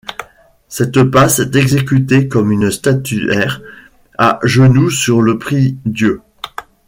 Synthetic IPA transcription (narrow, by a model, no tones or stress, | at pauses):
sɛt̪pasɛt̪ɛɡzekʲyt̪ekɔmynst̪at̪yɛʁ | aʒənusyʁləpχid̪jø